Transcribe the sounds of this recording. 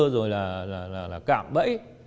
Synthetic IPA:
əzo˨˩jlaː˨˩laː˨˩laː˨˩laː˨˩ka̰ː˧˩mɓə̰˧˥j

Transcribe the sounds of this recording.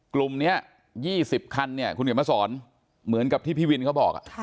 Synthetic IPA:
klu˨˩mni˦˥ɐ | jiː˥˩si˨˩p̚kʰa˧nːi˥˩ɐkʰu˧nke˨˩ma˧˩sɔː˩˦n | mɯ˩˦nka˨˩p̚t̪ʰiː˥˩pʰiː˥˩wi˧nkʰa˦˥wbɔː˨˩k̚a̰˧˩ʔ

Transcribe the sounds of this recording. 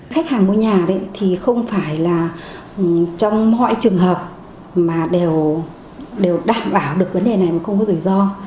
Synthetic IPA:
xa˦˥jk̚haː˨˩ŋmu˧ɲaː˨˩ɗə̰˨˦t̪ʰi˨˩xə˧wŋ͡mfaː˧˩jlaː˨˩ | t͡ɕɔ˧wŋ͡mmɔ̰˧˨jt͡ɕɨ˨˩əŋɦəː˨˩p̚ | maː˨˩ɗe˨˩w | ɗe˨˩wɗaː˨˧˩mɓaː˧˩wɗɨ˨˩ək̚və˨˦nɗe˨˩na˨˩jmaː˨˩xə˧wŋ͡mkɔ˨˦zu˧˩zɔ˧

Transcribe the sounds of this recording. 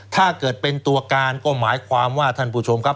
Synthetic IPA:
t̪ʰaː˥˩kɤː˨˩t̪̚pe˧nt̪u˧ɐkaː˧nkɔː˥˩maː˩˦jkʰwaː˧mwaː˥˩t̪ʰa˥˩npʰuː˧˩t͡ɕʰo˧mkʰa˦˥p̚

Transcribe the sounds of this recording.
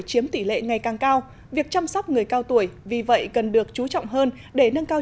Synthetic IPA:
t͡ɕi˨˦əmt̪i˧˩lḛ˧˨ŋa˨˩jkaː˨˩ŋkaː˧w | vi˨˩ək̚t͡ɕaː˧msɔ˦˥wk͡p̚ŋɨ˨˩əjkaː˧wt̪u˧˩əjvi˨˩və̰˧˨jkə˨˩nɗɨ˨˩ək̚t͡ɕu˨˦t͡ɕɔ̰˧˨wŋ͡mɦəː˧n | ɗe˧˩nə˧nkaː˧

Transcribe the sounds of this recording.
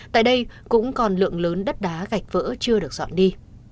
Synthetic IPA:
t̪a̰ː˧˨jɗə˧jkʊ̰˧˥ŋ͡mkɔ˨˩nlɨ̰˧˨əŋləː˨˦nɗə˦˥t̚ɗaː˨˦ɣa˨˩jk̟̚və̰ː˧˥t͡ɕɨ˧əɗɨ˨˩ək̚zɔ̰˧˨nɗi˧

